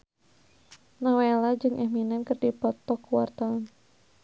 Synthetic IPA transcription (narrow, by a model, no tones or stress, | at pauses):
nɔwelad͡ʒɨŋʔɛminankɨrdipɔt̪ɔkuwɔrt̪ɔn